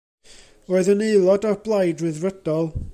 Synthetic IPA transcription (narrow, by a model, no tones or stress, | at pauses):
roːɨðənejlˠɔdɔrblˠajdrɨðrəd̥ɔlˠ